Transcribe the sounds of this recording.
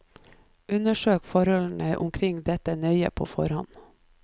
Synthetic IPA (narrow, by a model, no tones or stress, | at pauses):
ʉnəʃøːkfɔɾhɔln̩əʔʊ̰mkʰɾɪŋd̪ɛt̪ənœʏə̰pʰoːfɔ̰ɾhɑn